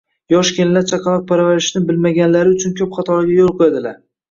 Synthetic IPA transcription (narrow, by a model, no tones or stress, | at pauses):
jɒʃkʲʰenlat͡ʃʰaqʰɑlˠɒq̚pʰaɾavaɾɪʃnɪbɪlmaɡʲanlaɾɪʊt͡ʃʰʊnkʲʰɵpχɑt̪ʰɒɾɪɡʲajolˠqʰojad̪ɪlaɾ